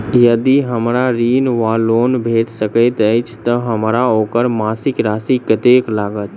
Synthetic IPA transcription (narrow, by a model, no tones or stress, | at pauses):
jəd̪iɦəmɾaɾinʋalonbʱet̪səkəɪt̪əjt͡ʃʰt̪əɦəmɾaokəɾmasɪkɾasikət̪eklaɡət̪